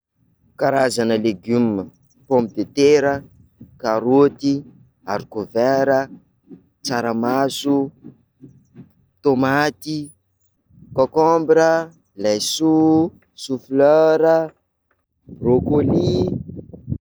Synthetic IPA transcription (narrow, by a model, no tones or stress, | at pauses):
kaɾazanəleɡymə | põmpid̪et̪eɾə | kaɾot̪i | aɾikovɛɾə | t͡saɾəmasu | t̪omat̪i | kokɔmbɾə | lajsu | sufløɾə | brokoli